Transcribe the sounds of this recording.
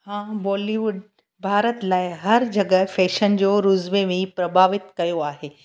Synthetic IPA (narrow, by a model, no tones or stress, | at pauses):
hãːbɔːliʋʊɖ | bʱaːɾət̪laːɪɦɐɾd͡ʑɐɡəfɛːʃənd͡ʑoːɾʊzʋemẽpɾɐbʱaːʋɪt̪kɐjoaːɦeː